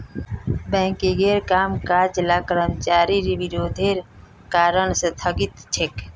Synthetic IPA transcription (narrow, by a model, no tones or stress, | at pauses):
bɛ̃ːkiɡeɾkaːmkaːd͡ʒlakɾəmt͡ʃaːɾiɾiʋiɾoːd̪ʱeɾ | kaːɾənsət̪ʰəɡit̪t͡ʃʰek